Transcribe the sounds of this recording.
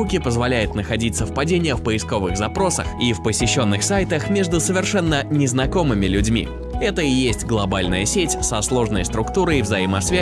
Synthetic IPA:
ukʲɪpəzvɐlʲæjʊt̪nəxɐdʲit̪ʲsəfpɐdʲenʲɪjəfpəɪsko̞vɨɣzɐpɾo̞sə̰xifpəsʲɪɕːo̞nːɨxsajt̪əxmʲe̞ʐd̪ʊsəvʲɪrʂɛnːənʲɪznɐko̞mɨmʲɪlʲʉdʲmʲḭ | ɛt̪əɪjesʲtʲɡlˠɐbalʲnəjəsʲetʲsɐslˠo̞ʐnəjst̪ɾʊkt̪uɾəivzɐjimɐsvʲæ

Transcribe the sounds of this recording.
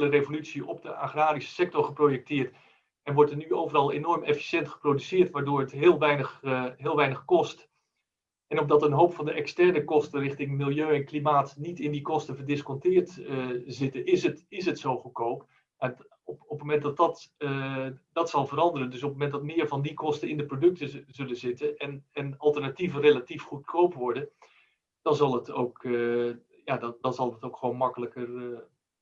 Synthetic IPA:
lərevolytsiʔɔpdəʔaχraːɾisə̥sɛk̚tɔɹχəprowjɛk̚tɪːɹt | ɛnʋɔɹtənyowvərɑlˠḛnɔɹmɛfi̥sjɛntχə̥prodysɪːɹtʋaːɹdʊːɹətɦɪːlˠʋɛjnəɦɪːlˠʋɛjnəχkɔst | ɛnɔm̚dɑtənɦowpfɑndəʔɛkstɛɹnəkɔstərɪχtɪŋmɪlˠjøːɛnklimaːtnitɪndikɔstəvəɹdɪskɔntɪːɹtzɪtənɪsətɪsətsowχəkowp | ma | ɔpmomɛnt̚dɑtɑt | dɑtsɑlˠvəɾɑndərəndɵs̬ɔpmomɛntdɑtmɪːɹvɑndikɔstəɪndəprodɵk̚təzɵlənzɪtənɛnɛnɑlˠtərnativərelatifχut̚kʰowpʋɔɹdən | d̥ɑnzɑlˠətowk | jaddɑnzɑlˠətowkχəʋoːnmɑkələkər

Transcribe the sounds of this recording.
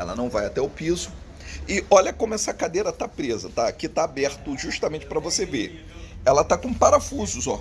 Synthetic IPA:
ɛ̰lɐ̰nɐ̃w̃vajat̪ɛʊpizʊ | ɪɔʎɐkõmʊɛsɐkad̪eɾɐt̪apɾezɐt̪akɪt̪aːbɛɾt̪ʊʒuʃt̪ɐmẽnt͡ʃɪ̥pɾɐvoseve | ɛlɐt̪akõpaɾafuzʊzɔ

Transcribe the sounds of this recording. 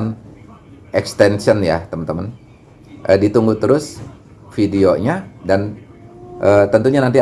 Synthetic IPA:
n | ʔɛkst̪ɛnsənja̰t̪əmənt̪əmən | ʔədit̪uŋɡut̪əɾʊs | fidioɲadan | ʔət̪ənt̪uɲanant̪i

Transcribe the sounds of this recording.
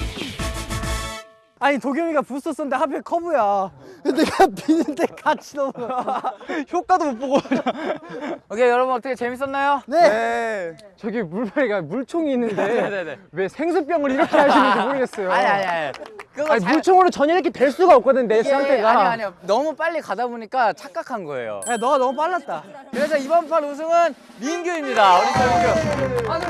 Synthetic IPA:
aɲitoɡjʌŋiɡapus͈ʌs͈ʌnɯndeɦapʰekʰʌbujakedeɡapinɯntʰek͈ʰat͡ɕʰidʌmaçjok͈adomop͈oɡoɲʌ | okejʌɾʌbunʌtʰʌkʰet͡ɕe̞mis͈ʌnːajone̞ | t͡ɕʌɡimuɭmaɾiɡamuɭt͡ɕʰoŋiːnːɯnde̞we̞sʰe̞ŋsʰɯp͈jʌŋɯɾiɾʌkʰe̞ɦaɕimʌnsʰomoɾɯɡe̞s͈ʌjoaaakɡmuɭt͡ɕʰoŋɯɾot͡ɕʌɲiɾʌkʰetwe̞ɭs͈uɡaʌp̚k͈ʌdɯnde̞sʰaŋttʰe̞ɡaɲnʌmup͈aʎːikadaboɲik͈at͡ɕʰak͈̚akʰanɡʌḛjo̰anʌɡanʌmup̬͈aɭːat̚t͈akɯɾesʰʌibʌnpʰaɾos̬ʰɯŋɯn | minɡjuimɲidaoteoɡo

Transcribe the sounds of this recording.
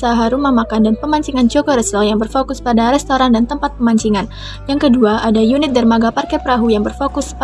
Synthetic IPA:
saɦaɾuməmakandanpəmaɲt͡ʃiŋand͡ʒokoɾəsɔjaŋbərfokʊspadaɾɛst̪oɾandant̪əmpat̪̚pəmaɲt͡ʃiŋan | jaŋkəduaʔadajunɪt̪̚dərmaɡaparkapəɾaɦujaŋbərfokʊs

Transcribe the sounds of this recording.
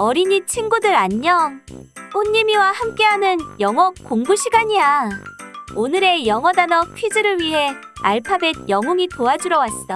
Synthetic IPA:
ʌɾiɲit͡ɕʰiŋɡudɯɾaɲːʌŋoɲːimiwahamk͈e̞ɦanɯnjʌŋʌkk͈oŋɡuɕʰiɡaɲia | onɯɾe̞jʌŋʌdanʌkʰɥid͡ʑɯɾɯɭɥiɦe̞ | a̰ɭpʰabe̞d̚jʌŋuŋitoad͡ʑuɾʌwas͈t͈a

